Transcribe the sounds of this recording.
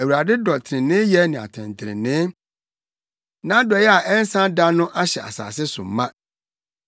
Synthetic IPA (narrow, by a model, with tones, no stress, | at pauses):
æ˨wu˨ɾa˨dɪ˦dɔ˨tʰɪ˨ɾɪ̃˨nɪ̃˦jɛ˦nɪ̃˨a̰˨tʰɛ̰̃˨n˨tʰɪ˨ɾɪ̰̃˨nɪ̃˦ | nã˦dɔ˨jɛ˦a˨ʔɛ˦n̩˦sã˦da˦nʊ̃˦ʔa˦ɕɛ˨a̰˨sa̰ː˨sɪ˦sʊ̰˨m̩˨mːã˦